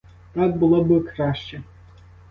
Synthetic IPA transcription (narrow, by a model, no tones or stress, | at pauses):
t̪ɑk̚bʊlˠɔbɨkɾɑʃt͡ʃɛ